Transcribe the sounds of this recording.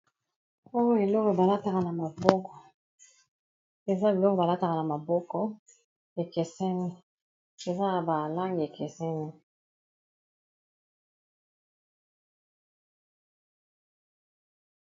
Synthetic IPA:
o˦jo˦e˨lɔ˦ke˨ba˨la˦ta˨ka˨na˨ma˨bɔ˦kɔ˨ | e˨za˦bi˨lɔ˦ko˨ba˨la˦ta˨ka˨na˨ma˨bɔ˦kɔ˦ | e˨kɛ˨sɛ˦ni˦ | e˨za˦a˨ba˨la˦ŋɡi˨e˨kʰɛ˨sɛ˦ni˦

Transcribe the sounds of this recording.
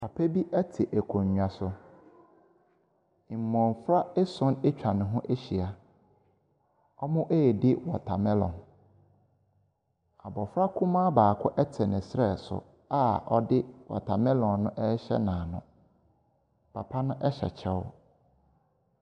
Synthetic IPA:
pʰa˨pʰæ˦bi˦ʔɛ˦tʰɪ˨ʔæ˨kʰõ˨ɲ˨ɲu˨a˨sʊ˨ | i˨m˨mɔ̃˨n˨fɾa˦ɛ˦sʊ̃˦ne˦t͡ɕᶣa˨nʊ̃˨ɦʊ̃˦ʔe˦ɕi˨a˨ | ɔ˦mʊ̃˦ʔe˦ɛ˨dɪ˦wɔ˨tʰa˨mɛ̃˦lɔ̰̃˨n | a˨bɔ˨fɾa˦kʰũ˦mãː˦baː˨kʰʊ˦ʔɛ˦tʰɛ˨nɪ̃˨sɾɛ˦˨sʊ̰˨ | a˦ɔ˦dɪ˦wɔ̰˨tʰa˨mɛ̃˦lɔ̃˨nːʊ̃˦ʔɛ˦ɕɛ̰˦nãː˨nʊ̰̃˨ | pʰa˨pʰa˦nʊ̃˦ʔɛ˦ɕɛ̰˨t͡ɕʰɛ˦wɔ̰˦

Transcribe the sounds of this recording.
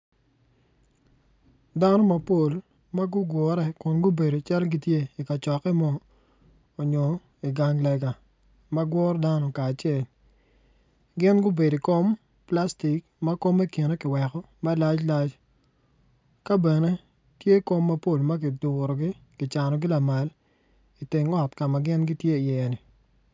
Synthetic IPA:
da˦nɔ˦mɐ˨po˦˨l | ma˦ɡʊ˦ɡwɔ˨ɾɛ˦kʊ˨nɡʊ˦be˨do˨t͡ʃa˦lɡɪ˦tje˦i˨ka˨t͡ʃɔ˨kɛ˦mɔː˦˨ | ɲɔ˨ | i˨ɡa˨ŋlɛ˨ɡa˨ | mɐ˦ɡwɔ˦ɾda˦nɔ˨kaː˨t͡ʃɪɛ˨l | ɡɪ˦nɡʊ˦be˨di˨ko˦m | pla˦sti˨k̚ | mɐ˦ko˦me˦ki˨ne˦kɪ˨wɛ˨kɔ˦ | ma˦la˦t͡ʃla˦t͡ʃ | ka˦bɛ˨ne˦ | tje˦ko˦mːɐ˦po˦˨lmɐ˦kɪ˨dʊ˨ɾɔ˨ɡɪ˦ | kɪ˨t͡ʃa˨nɔ˨ɡɪ˦la˨ma˨l | i˨te˨ŋɔ˦˨tka˨ma˨ɡɪ˦nɡɪ˦tje˦˨jɛ˨nɪ˨

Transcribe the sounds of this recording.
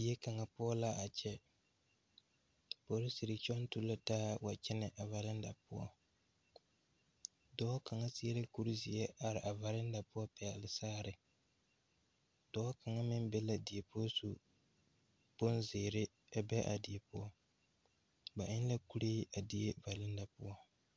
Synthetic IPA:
i˨e˦ka˨ŋa˨pʊ˦ɔ˦la˦ʔa˨t͡ʃɛ˦ | po˨˦ɾɪ˦si˨ɾɪ˨t͡ʃɔ˦n˦tu˦la˦taː˦wa˨t͡ʃɛ˦nɪ˨ʔa˨va˨ɾɪ˦n˦da˨pʊ˦ɔ̰˦ | dɔː˦ka˨ŋa˦sɪ˦e˦ɾɪ˦ku˦ɾi˦zɪ˨ɛ˦ʔa˨ɾɪ˨ʔa˨va˨ɾɪ˦n˦da˨pʊ˦ɔ˦pɛ˨lɪ˨saː˦ɾɪ˨ | d̥ɔ˦ka˨ŋa˦mɪ˦nbɛ˦la˨di˨e˨pʊ˦ɔ˦su˨ | po˦nzeː˨ɾɪ˦ | a˨bɛ˦ʔa̰˨di˨e˨pʊ˦ɔ˦ | ba˨ʔɪ˦n˦la˦ku˦ɾeː˦ʔa˨di˦e˦va˨lɪ˦nda˨pʊ̰˦ɔ˦

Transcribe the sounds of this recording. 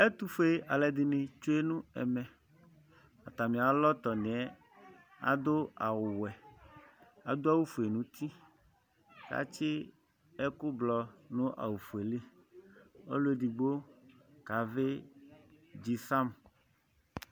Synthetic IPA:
e˦t̪u˦fe˨a˨le˨d̪i˨nẽ˨t͡ʃo˦e˦nũ˦ɛ̰˨mɛ̃˨ | a˨t̪a˨mĩ˨a˨lɔ˦t̪ɔ˨nẽ˨ɛ˦ | a̰˨d̪o˦a˨wʊ˨wɛ˨ | a˨d̪o˦a˦wu˦fu˨e˨nũ˨˦t̪i˦ | ka̰˨t͡ʃɪ˦ | e˦ku˦blɔ˨nũ˦ʔa̰˨wu˨fu˨e˨li˦ | o̰˦lo˦e˦di˨ɡ͡bo˦ | ka˨ve˦ | d͡ʑi˨sa˦m

